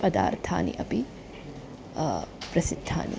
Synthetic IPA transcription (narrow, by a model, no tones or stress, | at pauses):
pɐd̪a̰ːɾt̪ʰa̰ːnḭʔɐpi | pɾɐsid̪ʱːa̰ːnḭ